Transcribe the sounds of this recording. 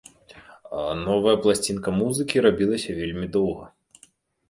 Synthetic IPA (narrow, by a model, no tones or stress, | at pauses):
nɔvɐjɐplˠasʲt͡sʲinkɐmuzɨkʲiɾabʲilˠɐsʲɐvʲelʲmʲid̪ɔwɣɐ̰